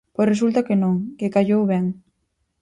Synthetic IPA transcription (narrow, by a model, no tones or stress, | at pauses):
pojsres̬ult̪akenõŋkekaʎowβɛŋ